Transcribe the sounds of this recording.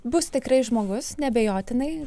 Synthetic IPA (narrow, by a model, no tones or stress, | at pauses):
bʊst̪ʲɪkɾɐɪʒmoːɡʊsnʲɛbʲɛjoːt̪ʲɪnɐɪ